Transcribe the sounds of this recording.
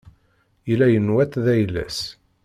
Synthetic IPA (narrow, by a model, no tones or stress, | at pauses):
ilæjənwæt̪ðæjlːæ̰s